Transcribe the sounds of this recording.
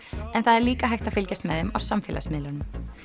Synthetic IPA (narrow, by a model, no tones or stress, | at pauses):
ɛnθaðɛɾliːkaɦajxt̪afɪlcɛst̪mɛðhɪma̰wsamfɪːlʔa̰smɪðlʏnʏm